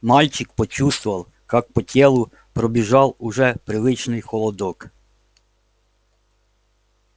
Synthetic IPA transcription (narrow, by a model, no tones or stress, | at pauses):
mɑlʲt͡ʃɪkpɔt͡ʃust̪ʋʊʋɐlˠ | kɑk̚pɔtʲɛlˠʊ | pɾɔbʲiʒɑlˠʊʒɛpɾɪʋɪt͡ʃnɪjxɔlˠɔd̪ɔk